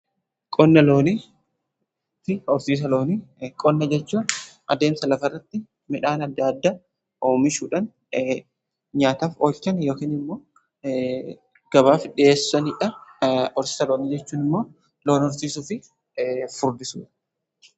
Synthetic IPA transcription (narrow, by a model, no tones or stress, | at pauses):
kʼɔnːɐlo̞ːni | fɪɔɾsiːs̬ɐlo̞ːnikʼɔnːɐd͡ʒɛt͡ʃːuːnʔɐd̪e̞ːnsɐlɐfɐrːɐt̪ːɪ | mɪᶑaːnɐd̪ːaːd̪ːa | ʔoːmɪʃuːᶑɐn | ɲaːt̪aːfoːlt͡ʃɐnjo̞ːkiːnɪmːo̞ː | ɡ̥ɐbaːfɪᶑɪe̞ːsːɐnɪᶑɐɔɾsɪːsɐloːnɪd͡ʒɛt͡ʃːuːnɪmːo̞ː | lo̞ːnɔɾsiːsʊfɪ | fʊɾd̪ɪsṵːᶑɐ̥